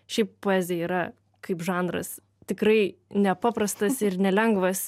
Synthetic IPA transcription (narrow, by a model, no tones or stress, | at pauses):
ʃʲɛɪppoːɛːzʲɪɛiːɾɐ | kɐɪpʒɑːnd̪ɾɐ̰s | t̪ʲɪkrɐɪnʲɛpɑːpɾɐst̪ɐsɪrnʲɛlʲɛŋɡʋɐs